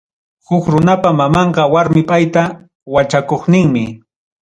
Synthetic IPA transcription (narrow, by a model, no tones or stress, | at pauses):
hʊkɾʊnapamamɑɴɢɑwaɾmɪpajt̪a | wat͡ʃakoχnɪŋmɪ